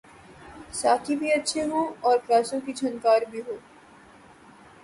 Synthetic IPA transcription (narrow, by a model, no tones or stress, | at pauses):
saːk̪ʰibʱiətːʃʰeɦõɔːɾkɾaːsõkid͡ʒʰʱənkaːɾbʱiɦoː